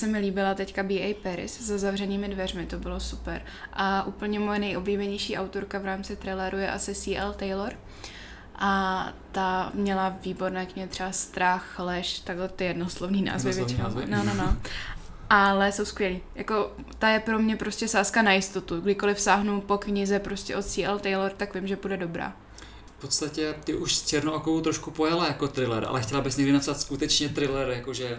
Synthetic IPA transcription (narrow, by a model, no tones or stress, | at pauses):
sɛmɪliːbɪlat̪ɛckabiːɛjpɛɾɪ̰szazavrɛniːmɪdvɛrmɪt̪o̞bɪlo̞supɛɾ | ʔaʔuːpl̩ɲɛmojɛnɛjʔo̞bliːbɛɲɛjʃiːʔawt̪o̞ɾkavɾaːmt͡sɪt̪ɾɛjlɛɾujɛʔasɪsiːʔɛlt̪ɛjloɾ | ʔat̪amɲɛlaviːbo̞ɾnɛːkɲɪɦɪt̪r̥ɛbast̪ɾaxlɛʃt̪aɡɦlɛt̪ɪjɛdnoslo̞vniːna̰ːzvɪvjɛt͡ʃɪnononono | ʔalɛsowskʋʲjɛliːjako̞ | t̪ajɛpɾo̞mɲɛpɾo̞scʲɛsaːskanajɪst̪o̞t̪uɡdɪko̞lɪfsaːɦnupo̞kɲɪzɛpɾoscʲɛʔo̞t̪siːɛlt̪ɛjloɾt̪akvɪmʒɛbudɛdo̞bɾa̰ː | fpot̪st̪acɛt̪ɪʔuʃst͡ʃɛɾnookowt̪ɾoʃkupojalajakot̪ɾɪlɛ̰ɾʔa̰lɛxcɛlabɪsɲɛɡdɪnapsat̪skut̪ɛt͡ʃɲɛt̪ɾɪlɛɾjakoʒɛ